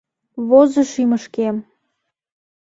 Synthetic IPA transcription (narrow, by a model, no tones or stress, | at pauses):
βozɤ̆ʃiməʃkem